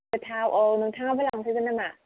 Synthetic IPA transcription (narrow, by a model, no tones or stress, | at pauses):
ətʰawʔonɯŋtʰaŋabəlaŋsʰɯɡɯnːɯma